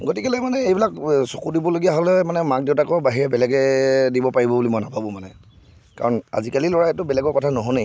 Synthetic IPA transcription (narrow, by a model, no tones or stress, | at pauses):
ɡotikɛlɛmanɛejbilaksokudibɔloɡijaɦɔlɛmanɛmak̚dewtakɔbaɦiɹɛbɛlɛɡɛdibɔpaɹibɔbulimɔjnabʱabʊ̃manɛ | ka̰ɹɔna̰zikalilɔɹaɛtʊbɛlɛɡɔkɔtʰanɔɦɔnej